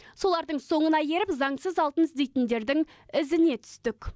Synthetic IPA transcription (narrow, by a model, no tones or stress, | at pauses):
so̞lˠɑɾd̪əɴso̞ɴənɑje̞ɾɪpzɑɴsəzɑlˠt̪ənzd̪e̞jt̪ɪnd̪e̞ɾd̪ɪŋ | ɪzɪne̞t̪ʰʏ̥st̪ɪkʲ